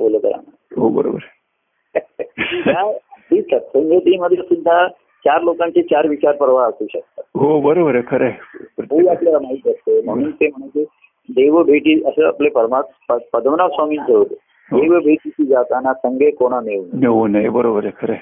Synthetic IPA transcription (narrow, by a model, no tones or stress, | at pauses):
bolək̪ə̰ɾa̰na | ɦobə̰ɾo̰bɾ | ad̪isəɾsə̃ŋɡʱet̪iːməd̪ʱːjəsud̪ʱːa | t͡ɕaɾlokãɲt͡ɕet͡ɕaɾʋit͡ɕaɾpəɾʋaəsuːɕək̚t̪aɦobəɾobəɾekʰəɾepɾət̪ɦeakljaamait̪əst̪em̤əɽ̃ũːnt̪em̤əɳ̃eki | d̪eʋəbʱeʈiːəsəəplepəɾmapəpəd̪ʱʋnaʋsɔmiːnd͡ʑeʋt̪ | ɦdeʋəbʱeʈisid͡ʒat̪anasəŋɡʱekoɽ̃aneʋunneunəjbəɾobəɾekʰəɾe